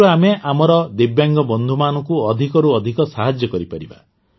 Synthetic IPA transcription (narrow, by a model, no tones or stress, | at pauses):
uameʔamɔɾɔd̪ebjaŋɡɔbɔnd̪ʱumanɔŋkuɔd̪ʱikɔɾuɔd̪ʱikɔsaɦad͡ʒjɔkɔɾipaɾiba̰